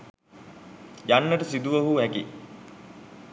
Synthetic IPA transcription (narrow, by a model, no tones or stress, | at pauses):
janːəʈəsid̪uʋɐɦuɦækḭ